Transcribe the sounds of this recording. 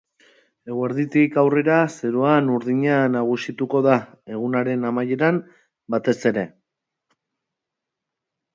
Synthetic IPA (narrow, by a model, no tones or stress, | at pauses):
e̞ɣwaɾðit̪ikawre̞ɾase̞ɾoanuɾðiɲanaɣ̞usit̪uko̞ða | e̞ɣ̞unaɾe̞namaje̞ɾam | bat̪e̞se̞ɾe̞